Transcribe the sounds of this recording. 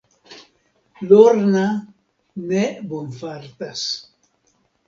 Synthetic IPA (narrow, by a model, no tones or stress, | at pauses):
loɾna | nebonfaɾt̪as